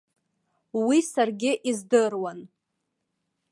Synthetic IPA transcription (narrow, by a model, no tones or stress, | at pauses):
wisarɡʲɪʔizdɨrwan